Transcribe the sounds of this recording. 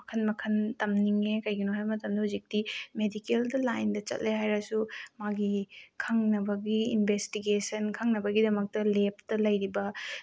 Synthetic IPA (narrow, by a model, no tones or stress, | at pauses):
ɐkʰɐnmɐkʰɐntɐmniŋekɐjɡinoɦajmɐtɐmdɐhuzik̚timedikeldɐlajndɐt͡ʃɐ̰t̚lʔeɦajɾɐsumaɡikʰɐŋnɐbɐɡiinbʱestiɡesɐnkʰɐŋnɐbɐɡidɐmɐk̚tɐlep̚tɐlɐjɾibɐ